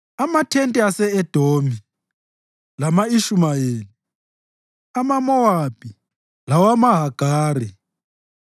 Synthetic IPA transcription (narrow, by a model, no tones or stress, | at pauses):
amatʰɛntʼɛasɛɛd̥ʱoːmi | lamaiʃumajeːli | amamɔwapʼi | lawamaɦaɡ̥ʱaːri